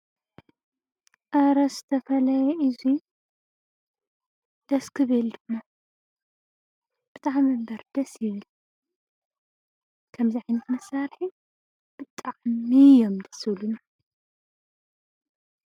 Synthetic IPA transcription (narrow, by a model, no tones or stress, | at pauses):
ʔaɾɐszɨ̥t̪ʰɐfɐlɐjɛʔɨzi | d̪̥ɐskʰɨβɨld̪ɨmːa | bɨt̪ʰʕamɐmbɐɾd̪̥ɐsjɪβɨl | kʰɐmziʕajnikʰɨnɨsːaɾħi | b̥ɨt̪ʼːaʔmijomd̪ɐsɨlunɐ